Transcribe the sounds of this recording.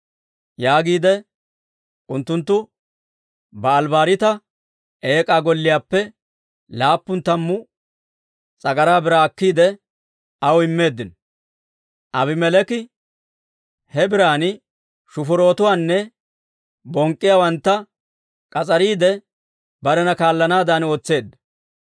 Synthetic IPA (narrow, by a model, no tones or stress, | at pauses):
jaːɡiːd̪ɛ | ʔʊnt̪ːʊnt̪ːʊ | bɐːlbaːɾɪt̪ɐ | ʔe̞ːkʼaːɡɔlːɪjaːpːɛ | laːpːʊnt̪ːɐmːʊ | t͡sʼɐɡɐɾaːbɪɾaːɐkːiːd̪ɛ | ɐwɪmːe̞ːd̪ːɪn | ʔɐbɪmɛlɛkɪ | hɛbɪɾaːnɪ | ʃʊfʊɾo̞ːt̪ʊwaːnːɛ | bɔŋkʼːɪjawɐnt̪ːɐ | kʼɐt͡sʼɐɾiːd̪ɛ | bɐɾɛnɐkaːlːɐnaːd̪aːno̞ːt͡sːe̞ːd̪ːɐ